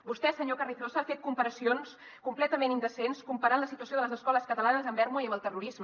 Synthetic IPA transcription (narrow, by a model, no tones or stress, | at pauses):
bust̪ɛsəɲokəriθosəaːfet̪̚kumpəɾəsions | kumplɛt̪əmenind̪əsenskumpəɾanləsit̪uəs̬ioðələzəskɔləskət̪əlanəzəmbɛɾmoiəməlˠt̪əruɾizmə